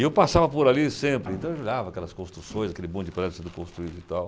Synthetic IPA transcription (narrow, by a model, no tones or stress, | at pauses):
ewpasavɐpoɾalisẽmpɾɪẽnt̪ɐ̃eloʎavɐːkɛlɐskõst̪ɾusõj̃zakelɪbõd͡ʒɪpɾɛzɐsẽnd̪ʊkõst̪ɾuid̪ʊit̪aw